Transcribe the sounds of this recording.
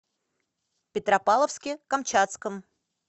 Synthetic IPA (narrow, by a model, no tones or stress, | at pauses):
pʲɪt̪ɾɐpalˠəfskʲɪkɐmt͡ɕat̪skəm